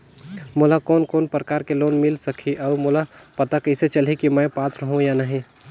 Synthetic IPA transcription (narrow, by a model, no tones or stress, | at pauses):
molakoːnkoːnpɾəkaːɾkeloːnmɪlsəkʰiʔɔːmʊlapɐt̪akəɪset͡ʃəlɦikimə̃paːt̪ɾəɦũjanəɦĩ